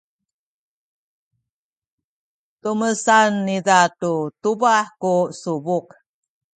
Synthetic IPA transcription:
tuməsanːidatutubaħkusubuk

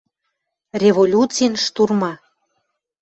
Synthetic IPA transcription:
rʲevolʲutt͡sijnʃt̪urmɑ

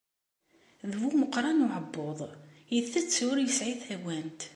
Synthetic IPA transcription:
ðwuməqːɾˤɑnʊʕəbːoðˤjiðθæt͡sːʊɾjəsʕiθæwænt̪

